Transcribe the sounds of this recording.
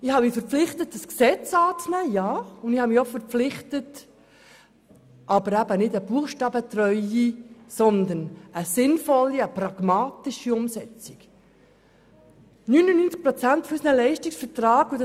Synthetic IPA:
ɪhɑmifəɾpflɪχtətːəsksɛt͡sɑːt͡snæːjɑːʊnd̪ɪhɑmiːofəɾpp͡flɪχtət | ʔɑbəɾæbənɪdəb̥uəχʃtɑːbət̪ɾœʏisɔnd̪ənəsɪnfɔlːiəprɑɡ̥mɑːtiʃiʊmsɛt͡sik | nynənyːnt͡sk̚pɾɔt͡sæntfysnəlɛɪʃtiksfəɾtrɑːɡ̥ʊd

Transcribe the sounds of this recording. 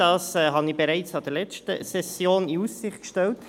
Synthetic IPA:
ɑːsɛɦɑnibɛɾaɪt͡sɑd̥əɾlɛt͡ʃtə̰sɛsjoːniussɪχtkʃtɛlt

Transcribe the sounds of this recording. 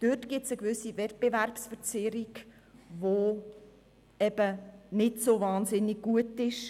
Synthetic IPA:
d̥øtɡ̥ɪt͡səɡvʏsivɛt̚b̥evæɾpsfəɾt͡sɪɾiɡ | ʋo | ɛbənɪtsovɑːnzɪnːiɡ̚ɡuətɪʃ

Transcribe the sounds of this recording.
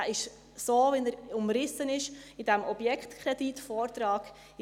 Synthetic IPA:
ʔɪʃ | soːvɛnəɾʊmɾɪsənɪʃidɛmʔɔb̥jɛkχt̪kʰɾɛd̥itfɔːɾtɾɑːɡ

